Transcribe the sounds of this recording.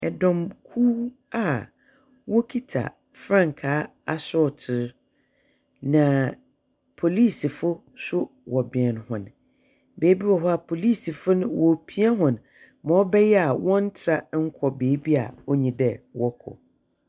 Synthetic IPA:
ɛ˨dɔ̃˨mkʰu˦ | a˦˨ | wɔ˦kʰi˦tʰa̰˨ | fɾã˦˨ŋ˨kʰaː˨˦ | a˨sʊ˦˨tʰɪ˨ɾ | nã˨ | pʰo˨liː˦˨si˨fʊ˦ | sʊ˦ | wɔ˨bɪ˨ɛ˨nhʊ̃˨n | beː˨˦bi˦wɔ˨ɦɔ˦a˨pʰo˨liː˦˨si˨fʊ˦nʊ̃˦wɔ˨pʰi˦a˦ɦʊ̃˨n | mɔ̃˨˦bɛ˦jɛ˦a˨wɔ̃˦n̩˦tʰɾa˦ŋ̩˦kʰɔ˨beː˨˦bi˦a̰˨ɔ˦ɲĩ˨dɛ˨wɔ˦kʰɔ̰˨

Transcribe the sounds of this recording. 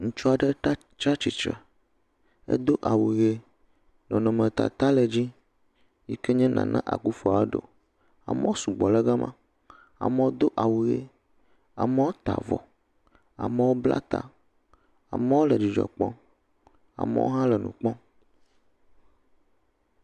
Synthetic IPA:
ŋũ˨t͡ʃɔ˦a˨ɖə˦a˦ | t͡ʃɾa˦t͡ɕi˨t͡ʃɾə̰˨ | ḛ˦d̪o˦ʔa˨wu˨ɣe˦ | nɔ̃˨nɔ̃˨mə̃˨t̪a̰˨t̪a˦le˨d͡ʑi˦ | ji˦ke˦ɲɛ̃˦nã̰˨nã˦ʔa̰˨ku˦fɔ˦˨a˦ɖo̰˨ | a̰˨mə̃˦o˦su˨ɡ͡bɔ˨lə˦ɡa˦mã˦ | a̰˨mə˨wo˦d̪o˦ʔa˨wu˨ɣe˦ | a̰˨mə˦wo˦t̪a˨vɔ̰˨ | a˨mə˦wo˦bla̰˦t̪a˨ | a̰˨mə̃˦wo˦lə˨d͡ʑi˨d͡ʒɔ̰˨k͡pɔ̃˦ | a̰˨mə̰˦wʔo̰˦ɦã˦lə˨nṵ̃˨k͡pɔ̃˦

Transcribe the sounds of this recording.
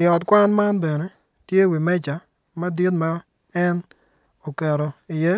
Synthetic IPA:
ɪ˨ɔ˨tkʷa˦nma˦nbe˨ne˨ | tje˦wi˨mɛ˦t͡ʃa˨ | mɐ˦di˦tma˦ | ɛ˦n | o˨kɛ˨ɾo˨i˨je˦

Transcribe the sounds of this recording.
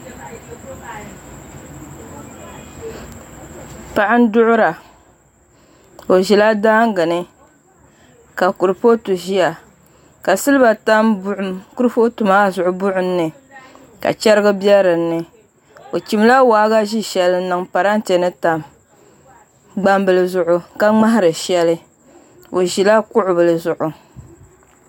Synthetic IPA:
pa˨ʔa˦n̩˦dʊ˦ʔʊ˦ɾa˨ | o˨ʒi˨la˦daː˦ŋ˦ɡɨ˨nɨ˦ | ka˨ku˨ɾɨ˨po˦tu˨ʒi˦ja˨ | ka˨sɨ˦lɨ˦ba˨ta˦m˦ku˦ɾɨ˦po˦tu˨maː˦zʊ˨ʔʊ˨˦bʊ˦ʔʊ˨n̩ː˦ɨ˨ | ka̰˨t͡ʃɛ˦ɾɨ˦ɡɨ˦bjɛ˦ɾɨ˨n̩ːɨ˨ | o˨t͡ʃi˨m˦la˦waː˨˦ɣa˦ʒi˦ʃɛ˨lɨ˦nɨ˨ŋpa˨ɾa˦n˦te˨nɨ˦ta˨m | ɡ͡ba˦mbɨ˨lɨ˦zʊ˨ʔʊ˦ka˦ŋ͡ma˦ɦa˦ɾɨ˨ʃɛ˦lɨ˦ | o˨ʒi˨la˦kʊ˦ʔʊ˨bɨ˨lɨ˨zʊ˨ʔʊ˨

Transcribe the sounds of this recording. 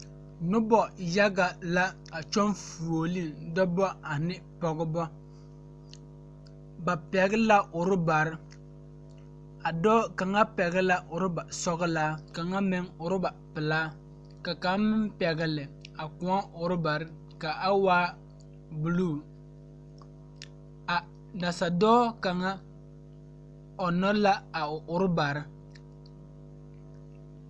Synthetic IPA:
nʊ˦bɔ˨ja˦ɡa˨la˦ | a˨t͡ʃɔ˦nfu˨o˨li˦dɔ˦bɔ˦a˨nɪ˦pɔ˨ɡɪ˦bɔ˦ | ba˨pɛ˨ɣɪ˦la˦ʔʊ˨ɾɪ˦ba˨ɾɪ˦ | a˨dɔː˦ka˨ŋa˦pɛ˨ɣɪ˦la˦ʔʊ˨ɾɪ˦ba˨sɔ˦ɣɪ˦laː˦ka˨ŋa˦mɪ˦ŋʊ˨ɾɪ˦ba˨pɪ˨laː˦ | ka˨ka˨˦mɪ˦mpɛ˨ɡɪ˨lɪ˨a˨ku˨˦a˦ʊ˨ɾʊ˦ba˨ɾɪ˦ | ka˨a˦waː˦ | bu˨luː˦˨ | a˨ | da˨sa˨dɔː˦ka˨ŋa˦ | ɔ˨nɔ˦la˦a˨ʊ˨ɾʊ˦ba˨ɾɪ˦

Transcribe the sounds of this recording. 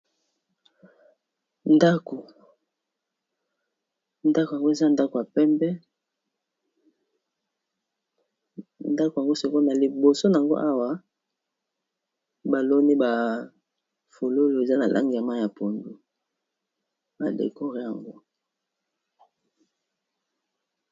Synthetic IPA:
nda˦ko˨ | nda˦ko˨ja˨ŋɡo˦e˨za˦nda˦ko˨ja˨pɛ˦mbɛ˦ | nda˦ko˨ja˨ŋɡo˦so˨ko˦na˨li˨bo˨so˦na˨a˨ŋɡo̰˦ʔa˦wa˦ | ba˨lo˦ni˦ba˨ | fo˨lo˦lo˦˨e˨za˦na˨lʔa̰˦ŋɡi˨ja˨ma˦˨ja˨po˨ndu˨ | ba̰˨dḛ˨ko˦ʁi˨ja˨ŋɡo˦

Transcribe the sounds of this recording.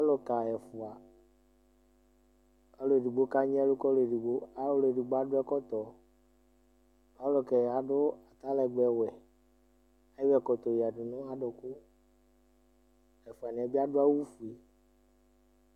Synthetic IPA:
pa˦lo˨ka˨ɛ˨fʊ˨a˨ | pa˦lo˨e˨di˨ɡ͡bo˦ka˦ɲ˦ɛ˦lu˦kɔ˦lo˨e˨ɖi˨ɡ͡bo˦a˨˦wlo˨e˨ɖi˨ɡ͡bo˦a˦ɖʊ˦ɛ˦kɔ˦t̪ɔ˨ | pa˦wlo˨kɛ˨ja˨ɖʊ˦a˨t̪a˦lɛ˨ɡ͡bɛ˨wɛ˨ | a˨ji˦wɛ˦˨kɔ˨t̪ɔ˨ji˨a˨ɖɪ˨nʊ̃˦a˨ɖʊ˨kʊ˦ | ɛ˨fu˨a˨nĩ˨a˨bi˦a˦ɖʊ˦a˦wu˦fu˨e˨

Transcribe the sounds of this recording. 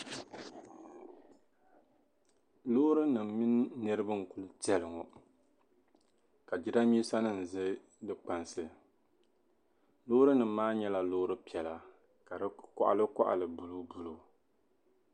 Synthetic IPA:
loː˦ɾɨ˦nɨ˨m˨mi˦nː˦ɨ˦ɾɨ˦bɨ˦ŋ̩˨ku˦ltɛ˦lɨ˨ŋɔ˨ | ka˨d͡ʒi˦da˦mi˦sa˦nɨ˦n̩˨zɨ˦ | dɨ˦k͡pa˨nsɨ˦˨ | loː˦ɾɨ˦nɨ˨m̩˦maː˦ɲɛ˦la˨loː˦ɾɨ˦pi˨ɛ˨la˨ | ka˨ɾɨ˦kɔ̰˦ʔa̰˨lɨ˦kɔ̰˦ʔa̰˨lɨ˨bu˨lu˦bu˦lo˨

